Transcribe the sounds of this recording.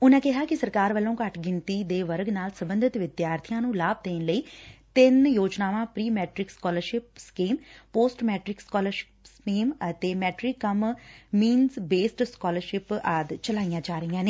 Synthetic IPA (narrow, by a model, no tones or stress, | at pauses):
ʊnãːkɪɦaːkɪsəɾkaːɾʋəlːõːkəʈɡɪnt̪iːd̪eːʋəɾɡnaːlsəmbə̃nd̪ʱɪt̪ʋɪd̪jaːɾt̪ʰijãːnũːlaːb̚d̪eːnləiːt̪ɪnjoːd͡ʒnaːʋãːpɾiːmɛːʈɾɪkskɔːləɾʃɪpskiːmpoːsʈmɛːʈɾɪkskɔːləɾʃɪ̥pskiːmət̪eːmɛːʈɾikːəmmiːnzbeːsʈskɔːləɾʃɪpəd̪t͡ʃəlaːijãːd͡ʒaːɾəijãːneː